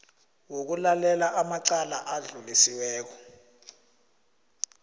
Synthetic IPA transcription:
wok̬ulalɛlaʔamaǀalaʔaɮulisiwɛːk̬ɔ

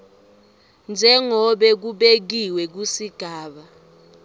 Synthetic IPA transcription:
nd͡ʒʱɛŋɔɓɛk̬uɓek̬iwɛk̬usiɡ̥ʱaːɓa

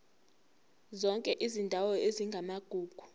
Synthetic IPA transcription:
zɔŋkʼɛʔizindʱawɔʔeziŋɡʱamaɡ̥ʱuːɡ̥ʱu̥

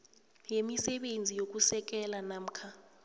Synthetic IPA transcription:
jemisɛɓend͡zʱijok̬usɛk̬ɛlanaːm̩kʰa

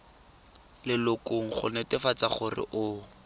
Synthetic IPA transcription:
lɪlʊkoŋ̩χʊ̰netɪfat͡saχʊrɪ̰ʔʊ

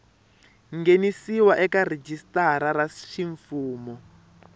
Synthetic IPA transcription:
ŋɡenisiwaʔɛkared͡ʒistaɾaɾaʃiɱfuːmɔ

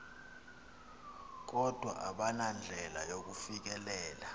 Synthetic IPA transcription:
k̬ɔd̥ʱwa̰ʔaɓanand͡ɮʱɛlajok̬ufik̬ɛlɛːla

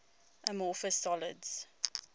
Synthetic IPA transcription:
ʔəmɔfəsɔlə̰dz̥

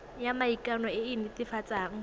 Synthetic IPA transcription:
jamaikʼanɔɪɪnɪtɪfat͡sʼaːŋ̩

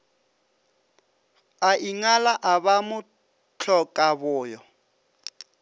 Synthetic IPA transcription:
aʔiŋalaʔaβamʊ | t͡ɬʰɔkʼaβʊːjɔ

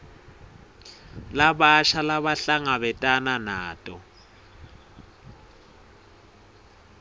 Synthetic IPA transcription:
laɓaʃʰalaβaɬaŋaβɛtʼananaːtʼɔ

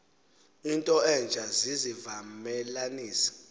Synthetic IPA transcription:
intʼɔɛnd͡ʒʱazizivamɛlaniːsḁ

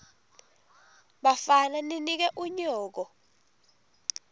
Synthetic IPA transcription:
ɓafananinik̬ɛʔuɲɔːk̬ɔ

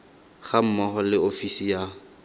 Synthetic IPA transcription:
χam̩mɔχɔlɪofisija

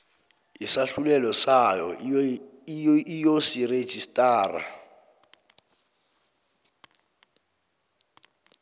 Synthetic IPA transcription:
isaɬulɛlɔsajɔ̰ | ijosire̥ʒ̥ʱistʼaːra̰

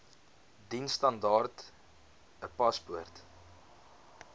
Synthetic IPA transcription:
dinstɐndɑːrt | əpɐsbuərt

